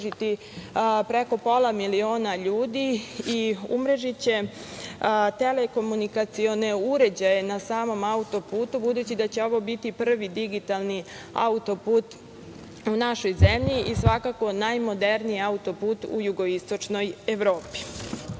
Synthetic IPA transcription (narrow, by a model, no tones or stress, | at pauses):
it̪i | pɾe̞ko̞po̞lˠamilio̞ːnaʎuːd̪iiṵmɾeʒit͡ɕe̞ | t̪e̞le̞ko̞munikat̪sio̞ne̞uɾe̞d͡ʑaje̞nasaːmo̞maut̪o̞puːt̪ubud̪uːt͡ɕid̪at͡ɕe̞o̞ʋo̞bit̪ipr̩ʋid̪iɡit̪alni | a̰ut̪o̞puːt̪ | unaʃo̞jzemʎiʔisʋakako̞najmo̞d̪e̞ɾnijiaut̪o̞puːt̪ṵjuɡo̞ist̪o̞t͡ʃno̞je̞ʋɾo̞ːpi̥